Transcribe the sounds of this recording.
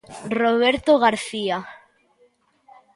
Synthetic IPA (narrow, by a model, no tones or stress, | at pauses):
roβ̞eɾt̪oɣaɾθia